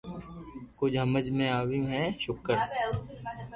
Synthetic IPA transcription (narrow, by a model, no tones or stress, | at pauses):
kʊd͡ʒɦɐməd͡ʒmẽaːʋĩɦɛːʃʊkəɾ